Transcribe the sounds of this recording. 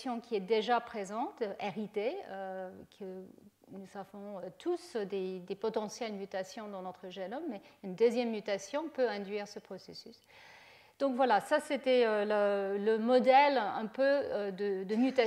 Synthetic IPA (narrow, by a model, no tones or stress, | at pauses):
sjɔ̃kʲiɛd̪eʒapχezɑ̃t̪ʔeʁit̪eøkʰə | nusavɔ̃øt̪ʰusd̪ed̪epɔt̪ɑ̃sjɛlmyt̪asjɔ̃d̪ɑ̃nɔt̪χəʒɛnɔmːɛynd̪øzjɛmːyt̪asjɔ̃pøɛ̃d̪ɥiːʁsəpχɔsḛsys | d̪̥ɔ̃kvwalasaset̪ɛølələmɔd̪ɛlɛ̰̃pøød̪əd̪əmyt̪a